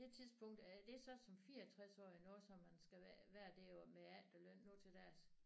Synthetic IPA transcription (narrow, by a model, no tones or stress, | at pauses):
e̝t͡sʰiðˠsb̥ɔ̽ŋ̰d̥æd̥e̝sɒ̽sɒ̽mfiːɐt͡sʰʁasɒ̰ːinɔːð̩ˠsɒ̽mːænsɡ̥æʋæːɐd̥e̝ːɒmeæld̥ɒløn̰ːoːt͡sʰe̝ld̥æɐs